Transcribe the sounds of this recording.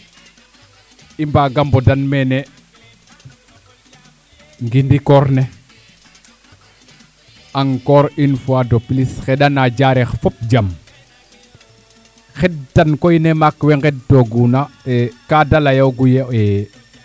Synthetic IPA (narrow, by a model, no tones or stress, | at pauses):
imbaɡambɔdanmɛnɛ | ŋɡindikɔɾnɛ | aŋkɔɾinfuadoplisxɛɗanad͡ʒaɾɛxfɔp̚d͡ʒam | xɛd̚tankoinemakwɛŋɡɛd̚toɡunaɛkadalajawɡujejɛ